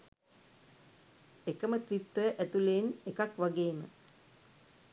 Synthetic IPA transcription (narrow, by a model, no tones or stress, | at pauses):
ekəmət̪ɾit̪ːəʔæt̪ulenekakʋaɡeːmə̰